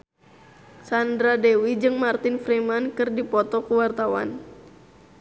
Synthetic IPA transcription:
sandɾadɛwid͡ʒɨŋmart̪ɪnfɾimankɨrdipɔt̪ɔkuwart̪awa̰n

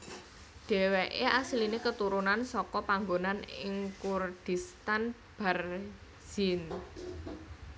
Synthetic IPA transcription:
ɖ̥ɛ̤weʔeʔasilinekət̪uɾunansɔkɔpaŋɡonanɪŋkurd̥i̤st̪an | b̥a̤r | z̥in

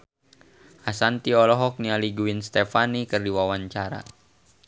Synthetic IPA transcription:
ʔasant̪iɔlɔɦɔk̚nialiɡuinst̪ɛfanikɨrdiwawaɲt͡ʃaɾa̰

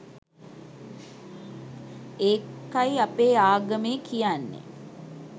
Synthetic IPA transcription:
eːkːajapeːaːɡəmeːkʰijanːḛ

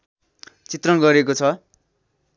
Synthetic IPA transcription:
t͡sit̪rʌnɡʌɾekot͡sʰʌ

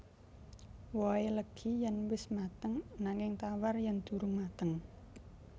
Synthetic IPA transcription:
wɔeləɡ̥ʰijanwɪsmat̪əŋnaŋɪŋt̪awarjaŋd̪̥ṳɾʊŋmat̪əŋ

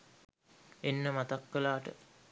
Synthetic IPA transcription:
enːəmat̪akːelaːʈə̰

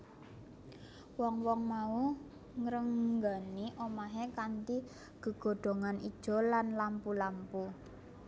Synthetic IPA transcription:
wɔŋwɔŋmau | ŋɾəŋɡaniʔomaɦekant̪i | ɡ̥ə̤ɡ̥o̤ɖ̪̥o̤ŋanid̥ʒ̥ɔ̤lanlampulampu

